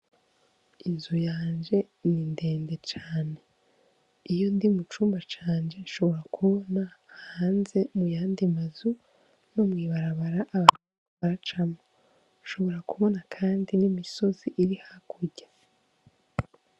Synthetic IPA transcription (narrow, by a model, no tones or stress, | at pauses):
inzujaːnd͡ʒe̞ | ninde̞ːnde̞t͡ʃaːne̞ | ijo̞ndimut͡ʃuːmbat͡ʃaːnd͡ʒe̞ʃo̞βo̞ɾakʰuβo̞nahaːnze̞mujaːndimazu | no̞mŋiːβaɾaβaɾaʔaβat͡ʃuuβaɾat͡ʃamo | ʃo̞βo̞ɾakuβo̞nakʰaːndinimiso̞ziʔiɾihakʰuɟ̥ḁ